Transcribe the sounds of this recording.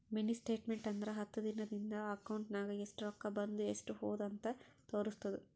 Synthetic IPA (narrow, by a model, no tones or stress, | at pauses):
minisʈe̞ːʈmeɳʈɐnd̪ɐɾɐɦɐt̪ːud̪inɐd̪ind̪ɐɐkːɐwɳʈnaːɡɐesʈuɾɐkːɐbɐnd̪uesʈuɦoːd̪ɐnt̪ɐt̪oːɾust̪ɐd̪u